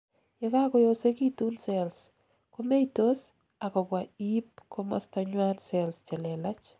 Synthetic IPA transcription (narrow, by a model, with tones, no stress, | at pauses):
jɛ˦ka˦kɔ˦jo˦se˦ki˦tu˦nsɛls | ko˦me˦itos | a˨kɔ˨bwa˨i˦p̚kʰo˦mɔ̰˦staɲwa˦nsɛlst͡ʃɛ˨lɛ˨la˦t͡ʃ